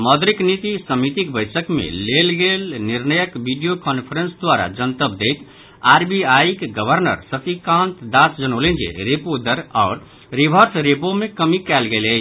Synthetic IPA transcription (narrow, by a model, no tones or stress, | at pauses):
məd̪ɾiknit̪isəmit̪ikbəɪsəkmḛlelɡelniɾnəjəkbiɖijokɔnpʰəɾə̃nsd̪ʋaɾa̰d͡ʒənt̪əb̚d̪ejt̪ | aɾbiajkɡəbʱəɾnə̰ɾsəpʰikãnt̪d̪asd͡ʒənolẽnd͡ʒḛɾepod̪əɾaʊɾ | ɾibʱəɾsɾepomekəmikɛlɡelə